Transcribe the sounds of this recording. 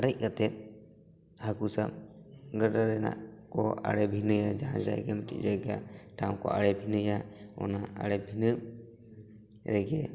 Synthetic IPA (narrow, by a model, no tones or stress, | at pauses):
aɾɛc̚kat̪ɛt̪̚ | hakusamɡəɖaɾɛna̰ʔkɔʔa̰ɽɛbʱinəjad͡ʒaɦã̰d͡ʒajɛ̰ɡɛmiʈḭʔd͡ʒaɡaʈaw̃kɔ̰a̰ɽɛbʱinɨjaɔ̰naa̰ɽɛbʱinə | ɾɛɡɛ